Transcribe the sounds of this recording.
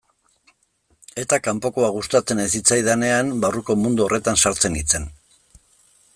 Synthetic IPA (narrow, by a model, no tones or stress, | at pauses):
e̞t̪akampo̞ko̞aɣust̪at͡se̞nes̬it͡sajðane̞ambaruko̞mund̪uo̞re̞t̪ansaɾt͡se̞nit͡se̞n